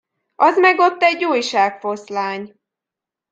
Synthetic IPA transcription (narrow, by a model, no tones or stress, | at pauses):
ʔɒzmɛɡo̞t̪ːɛɟːuːjʃaːkfo̞slaːɲ